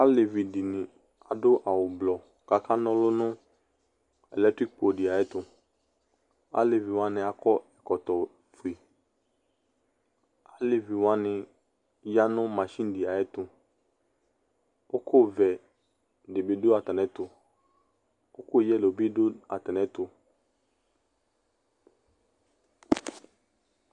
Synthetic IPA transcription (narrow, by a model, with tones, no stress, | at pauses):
a˦le˨vi˨dɪ˨nɪ̃˨ | a˨dʊ˦ʔa˨wʊ˨blɔ˨ | ka˨kʰa˦nɔ̃˦lʊ˦nʊ̃˦ | ɛ˨lɛ˦tɾi˦k̚po˨dɪ˨a˨jɛ˦tʊ˨ | a̰˦le˨vi˨wa˦nɪ̃˨a˨kɔ˦ɛ˨kɔ˨tɔ˨ | fu˨i˨ | a˦lɪ˨vi˨wa˦nɪ˨ | ja˦nʊ̃˦ma˨ʃĩ˦n˦di˨a˨jɛ˦tʊ˨ | ʊ˦kʰʊ˦vɛ˨ | dɪ˨bɪ˨dʊ˦a˨tɛ˨nɛ˦tʊ˨ | ʊ˦kʊ˦jɛ˦˨lo˨bi˦dʊ˦a˨tɛ˨nɛ˦tʊ˨